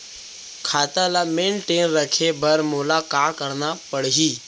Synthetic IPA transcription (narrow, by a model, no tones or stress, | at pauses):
kʰaːt̪alameːɳʈeːnɾəkʰebəɾmulakakəɾnapəɽɦiː